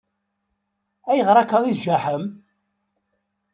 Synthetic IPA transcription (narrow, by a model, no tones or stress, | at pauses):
æjəʁɾˤɑkːɑðˤizʒæħəm